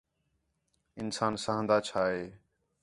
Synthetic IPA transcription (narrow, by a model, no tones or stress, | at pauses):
ɪnsaːnsaɦə̃nd̪aːt͡ʃʰaːɦeː